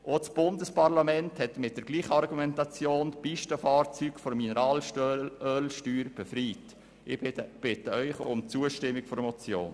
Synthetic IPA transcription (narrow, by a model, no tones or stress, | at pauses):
ʔot͡sb̥ʊndəspɑɾlɑmɛnthɛtmɪt̚d̥əɾɡliːχəɑɾɡumɛntɑt͡sjoːntpiʃtəfɑːɾt͡syːɡfɔɾminəɾɑːlœːlʃtyːɾb̥ɛfɾiːt | ɪb̥ɪtəœʏχʊmt͡suəʃtɪmːikfɔɾmɔt͡sjo̰ːn